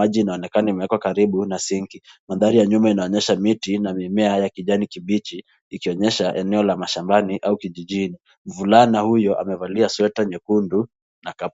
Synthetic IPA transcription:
aʄiːnaɔnɛkanaimɛɛkwakaɾiɓunasiŋkimaðaɾijaɲumainaɔɲɛʃamitinamimɛajakiʄanikiɓit͡ʃi | ikiɔɲɛʃaʔɛnɛɔlamaʃambaniʔaukiʄiʄini | m̩vulanahujɔʔa̰mɛvaliaswɛtaɲɛkundu | nakap

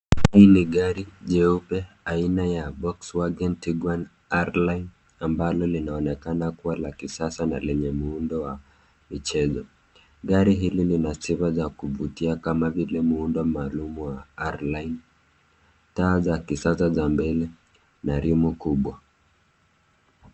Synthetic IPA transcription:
hainiɠaɾiʄɛupɛ | ainajabɔkswaɡɛntiɡwan | aɾlain | ambalɔlinaɔnɛkanakuwalakisasana̰lɛɲɛmuundɔwa | mit͡ʃɛzɔ | ɡaɾiɦililinasiβazakuvutiakamavilɛmuundɔmaːlumuwaaɾlain | taːzakisasazambɛlɛ | naɾimukuɓwa

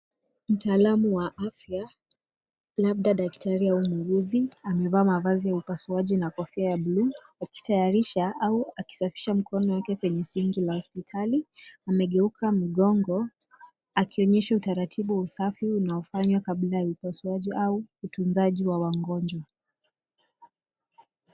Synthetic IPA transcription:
m̩taːlamuwaʔafja | lab̚ɗaɗaktʰaɾiaumuɡuziamɛvaːmavazijaupasuaʄinakɔfiajabluːaki̥tʰajaɾiʃaʔauaki̥safi̥ʃam̩kʰɔnɔwakɛkwɛɲɛsiŋɡilahɔspitʰaliamɛɠɛukʰam̩ɠɔŋɡɔ | akiɔɲɛʃautaɾatʰiɓuwausafiunaɔfaɲwakablajaupasuaʄiʔauːtunzaʄiwawaŋɡɔnd͡ʒwa

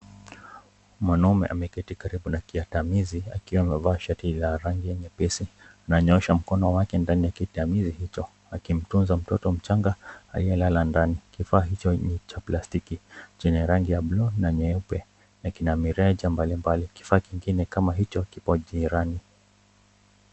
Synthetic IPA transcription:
mwanɔmɛ̰ʔa̰mɛkɛtikaɾiɓunakiatamizia̰kiwamɛvaːʃatilaɾaŋɡijɛɲɛpɛsianaɲɔɛʃam̩kɔnɔwakɛndanijakitamizihit͡ʃɔ | akim̩tunzam̩tɔtɔm̩t͡ʃaŋɡaa̰lijɛlalandanikifaːɦit͡ʃɔnit͡ʃaplastikit͡ʃɛɲɛɾaŋɡijablɔnaɲɛpɛ | nakinamiɾɛʄambalimbaliki̥faːkiŋɡinɛkamaɦit͡ʃɔkipɔʄiɾani

